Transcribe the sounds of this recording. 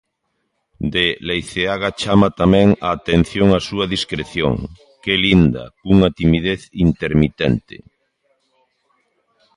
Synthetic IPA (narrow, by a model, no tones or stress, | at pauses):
d̪elejθeaɣat͡ʃamat̪amɛ̃ŋaːt̪ẽn̟θjoŋasuaðiskɾeθjo̰ŋ | kelind̪a̰kuŋat̪imiðeθint̪eɾmit̪ḛnt̪ḛ